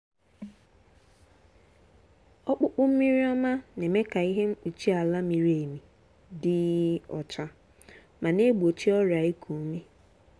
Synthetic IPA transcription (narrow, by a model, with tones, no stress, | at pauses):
ɔ˦k͡pʊ˦k͡pʊ˦m̩˦mi˦ɾi˦ɔ˦ma˦ne˨me˦ka˨i˦ɦe˦ŋ͡m̩˦k͡pu˨t͡ʃi˦a˨la˦mi˨ɾi˦e˨mi˨ | dɪ˦ɔ̰˨t͡ʃa˦ | ma˨ne˦ɡ͡bo˨t͡ʃi˦ɔ˦ɾa˨i˦kʰo˨˦me˦